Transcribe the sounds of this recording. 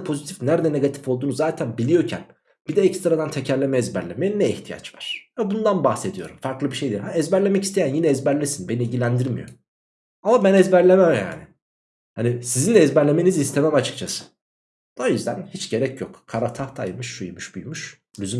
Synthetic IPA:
pʰo̞zit̪ʰifnæɾd̪ɛne̞ɡat̪ʰi̥fo̞lˠd̪uːnuzːaːt̪ʰænbilʲijo̞ɾcʰæ̰n | b̥id̪ɛɛcst̪ɾad̪ant̪ʰecʰæɾlʲe̞mɛːzbæɾlʲe̞mejinːɛiçt̪ʰija̰t͡ʃvaɾ̥vɛbund̪anbaxse̞d̪ijo̞ɾumfaɾklˠɯbiʃe̞jd̪iɾɦaɛzbæɾlʲemɛcist̪ʰejænjinɛːzbæɾlʲisinbe̞nilʲɟilʲænd̪iɾmḭjo̞ | amabænɛzbæɾlʲemæmja̰ːnɪ | hanisizind̪ɛzbæɾlʲe̞me̞nizist̪ʰemæmat͡ʃʰɯ̥k̚t͡ʃʰasɯ̥ | d̪̥ojyzd̪ænhit͡ʃɟe̞ɾɛcʰjokkʰːaɾat̪ʰaxt̪ʰa̰jmɯʃʃujmuʃbujmuʃ | lʲyzym

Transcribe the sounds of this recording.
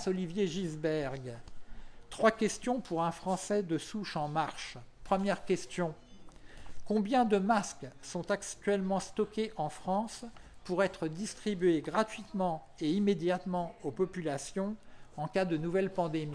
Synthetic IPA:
sɔlivjeʒizbɛʁɡ | t̪χwakʲɛst̪jɔ̃pʰuʁɛ̃fχɑ̃sɛd̪əsuʃɑ̃maʁʃpχəmjɛʁkʲɛst̪jɔ̃ | kɔ̃bjɛ̃d̪əmasksɔ̃t̪akt̪ɥɛlmɑ̃st̪ɔkʲeʔɑ̃fχɑ̃spuʁɛt̪χəd̪ist̪χibɥeɡʁat̪ɥit̪mɑ̃ | eimed̪jat̪mɑ̃opɔpylasjɔ̃ɑ̃kad̪ənuvɛlpɑ̃d̪emi

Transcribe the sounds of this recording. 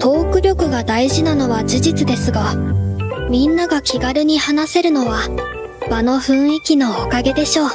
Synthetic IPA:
t̪ʰo̞ːkɯ̟ɾʲo̞kɯ̟ɡad̪aiʑinano̞βaʑiʑit͡sɨd̪e̞sɨɡa | mʲĩnːaɡakʲiɡaɾɯ̟ɲ̟ihanase̞ɾɯ̟no̞βa | bano̞ɸɯ̟̃ɰ̃ikʲino̞ːkaɡe̞d̪e̞ɕo̞ː

